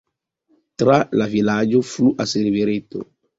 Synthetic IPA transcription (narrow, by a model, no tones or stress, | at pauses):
t̪ɾalavilad͡ʒofuʔaseɾiveɾet̪o̰